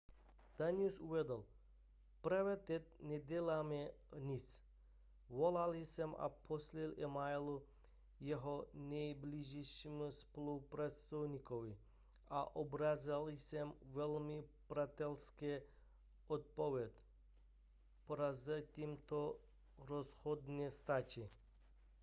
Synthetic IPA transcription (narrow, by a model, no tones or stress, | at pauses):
d̪̥aniusuʋɛd̪əl | pɾaʋɛt̪ɛt̪̚nʲɛd̪ʲɛlamɛ | nʲit͡s | ʋɔlalisɛma̰pʰɔslilɛmajlu | jɛɦɔnʲɛjbliʒɛʃimuspolupɾɛt̪sɔwnikɔʋi | aʔɔbɾazalisɛmʋɛlmipɾat̪ɛlske | ɔt̪̚poʋɛt̪ | poɾazət̪ʲimt̪ɔ | ɾɔshɔd̪nɛst̪at͡ʃi